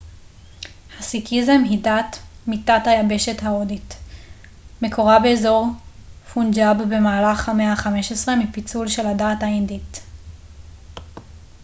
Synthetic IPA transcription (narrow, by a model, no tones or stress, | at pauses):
hasikʰizemɦidatmitathajabe̞ʃe̞thaodit | me̞kʰoʁabe̞ːzo̞ʁfund͡ʒabbe̞maːlaχhameaχameʃesʁemipit͡sulʃe̞ladaːthaindit